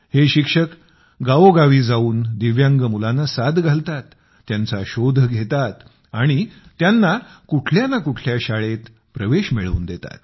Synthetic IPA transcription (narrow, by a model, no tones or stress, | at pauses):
heɕikʂək | ɡaʋoɡaʋiːd͡zauːnd̪iʋjãŋɡəmulanːasad̪ʱɡʱalt̪at̪ː | jant͡saɕod̪ʱəɡʱet̪at̪ | aɽ̃it̪janːakuʈʰljanːakuʈʰljaɕaɭet̪ | pɾəʋeɕmiɭṵːnd̪et̪a̰t̪̚